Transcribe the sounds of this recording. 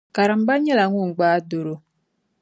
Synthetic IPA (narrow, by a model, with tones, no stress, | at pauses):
ka˨ɾə˨m̩˦ba˦ɲɛ˦la˨˦ŋu˦˨ŋ̩˨ɡ͡baː˦do˨ɾo˨